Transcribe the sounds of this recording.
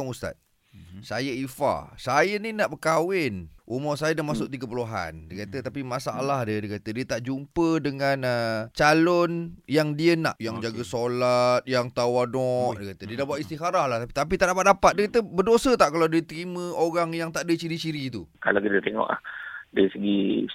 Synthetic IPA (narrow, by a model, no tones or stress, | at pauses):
aŋust̪a̰t̪̚ | sajəifa̰sajəninaʔbəkawɪnʔumasajədamasʊk̚t̪iɡəpuluɦa̰ndəkat̪ət̪apimasaalahdədiəkat̪ədiət̪aʔd͡ʒumpədəŋãnət͡ʃalʊnjaŋdiəna̰ʔjaŋd͡ʒaɡəsolat̪̚jaŋt̪awanɔʔdəkat̪ədiədahbuaʔ̪ist̪ixaɾahlaht̪ait̪ap̬it̪aʔdapat̪̚dapat̪̚diəkat̪əbədosət̪aʔkaladiət̪əɾimə̃oɾaŋjaŋt̪aʔdət͡ʃiɾit͡ʃiɾit̪uka̰lakit̪ət̪eŋɔ̰ʔla̰hdaɾisəɡi